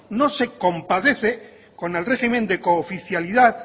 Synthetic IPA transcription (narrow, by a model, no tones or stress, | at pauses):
nose̞ko̞mpaðe̞θe | ko̞nelreximend̪eko̞ːfiθjaliðað